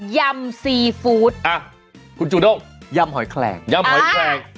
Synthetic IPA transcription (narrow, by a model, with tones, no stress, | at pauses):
ja˧msi˧fuː˨˦˥t̪̚ʔaː˨˧˩ | ku˧˦nt͡ɕu˨˩no˧˩wŋ͡m | za˧mɦɔ˨˦jkʰlɛ̰ː˨˩ŋza˧mhɔ˨˦jkʰlɛː˨˩ŋ